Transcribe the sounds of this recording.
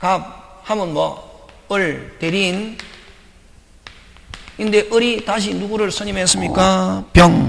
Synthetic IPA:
kap̚hamɯnmwʌ | ɯɭteɾin | ind̪e̞ʔɯɾitaɕ̬ʰinuɡuɾɯɭsʰʌɲimɦes͈ɯmɲik͈apjʌŋ

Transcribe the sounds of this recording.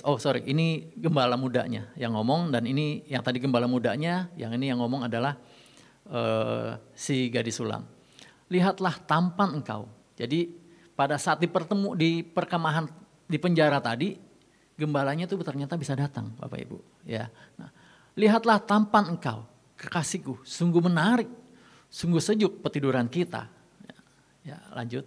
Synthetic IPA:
ɔsoɾḭʔiniɡəmbalamuda̰ʔɲa̰jaŋːɔmɔŋdaninijaŋt̪adiɡəmbalamudaʔɲaja̰ŋinijaŋːɔmɔŋadalah | ə | siɡadisula̰m | liɦat̪laht̪ampanəŋka̰w | d͡ʒadi | padasat̪̚dipərt̪əmudipərkəmaɦan | dipəɲd͡ʒaɾat̪adi | ɡəmbalaɲat̪ubt̪ərɲat̪abisadat̪a̰ŋba̰pa̰ḭbṵ | ja̰nah | liɦat̪laht̪ampanəŋka̰w | kəkasikusuŋɡumənaɾɪk̚ | suŋɡusəd͡ʒʊk̚pət̪iduɾankit̪a̰ | a | ja̰la̰ɲd͡ʒʊt̪̚

